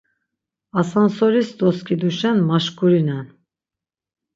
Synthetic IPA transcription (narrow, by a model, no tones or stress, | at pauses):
asansɔɾisd̪ɔskʼid̪uʃɛnmaʃkʰʼuɾinɛn